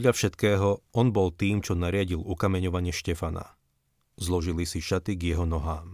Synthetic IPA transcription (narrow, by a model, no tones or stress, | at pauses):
d̪ʎafʃɛt̪kɛːɦɔɔnbɔlt̪iːmt͡ʃɔnaɾɪaɟilukamɛɲɔʋaɲɪɛʃcɛfana̰ | zlɔʒilisiʃat̪iɡjɛɦɔnɔɦaːm